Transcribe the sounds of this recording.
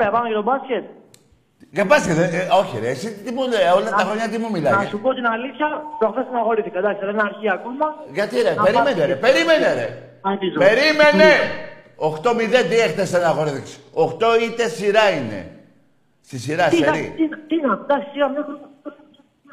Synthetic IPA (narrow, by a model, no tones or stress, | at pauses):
epamɐket̪obasket̪̚ | kebɐskeeoçiɾesit̪imulolɐɐxɾoɲɐt̪̬imumilɐsukot̪inalit̪çɐt̪oexθest̪enaɣoɾiθikɐd̪ɐkseðenaɾçiɐakomɐ | ʝɐt̪iɾepeɾimeneɾepeɾimeneɾḛ | ɐt̪izpeɾimeneoxt̪o̞miðet̪iexθesenɐxoɾiθiksoxt̪o̞it̪esiɾɐine̞̰ | st̪isiɾɐseiint̪inɐd̪ɐksi̥siɣɐmɲaxun